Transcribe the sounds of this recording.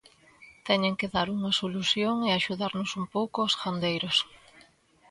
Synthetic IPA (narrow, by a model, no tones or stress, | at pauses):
t̪ɛɲeŋkeðaɾuŋɐsoluθjoŋeaʃuðaɾnosumpowkʊɔsxand̪ejɾos